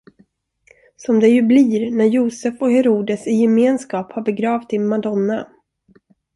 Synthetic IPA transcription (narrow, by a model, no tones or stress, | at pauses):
sɔmd̪ɛjɵbliːɾnæɾjuːsɛfɔhɛɾuːd̪əsɪjɛmeːnskɑːphaɾbɛɡɾɑːvt̪ɪmad̪ɔnːa